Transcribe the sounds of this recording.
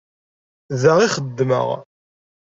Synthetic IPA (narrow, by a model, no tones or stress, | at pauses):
ðəʁiχəd̪ːmə̰ʁ